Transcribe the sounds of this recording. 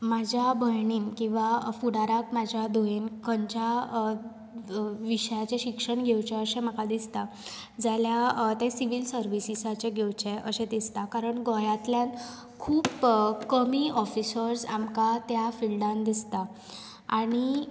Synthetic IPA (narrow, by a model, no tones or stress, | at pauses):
mad͡ʑʱjabʱəɭɳinkĩw̃ʋafuɽaɾakmad͡ʑʱjad̪ʱoenkəɲt͡ɕa | ʋiʂəjat͡ɕeɕikʂəɳɡʱewt͡ɕẽəɕeməkad̪ist̪a | d͡zaljat̪ẽsiʋilsəɾʋisisat͡ɕẽɡʱewt͡ɕeəɕẽd̪ist̪akaɾəɳɡɔjat̪ljan | kʰuːpkəmiʔɔfisəɾsamkat̪jafilɖãnd̪ist̪a | aɽ̃i